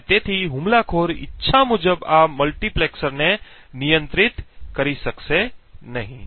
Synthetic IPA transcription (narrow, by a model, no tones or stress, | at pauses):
t̪eːt̪ʰiɦʊmlakʰoːɾɪ̰tːʃʰamʊd͡ʒəbaːmɐlʈipleːksəɾne | nijə̃nt̪ɾɪt̪kɐɾisɐksenɐɦĩ